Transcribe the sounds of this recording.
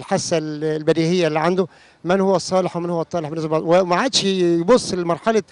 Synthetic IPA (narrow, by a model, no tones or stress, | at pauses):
lħasːællbæd̪iːhejːælːiːʕand̪o | mænhowːæsˤːɑːleħwemænhowːæt̪ˤːɑːleħbenæs̬æbɑd̪ˤwemaʕaːd̪ʃjbosˤːelmɑɾˤħalɑ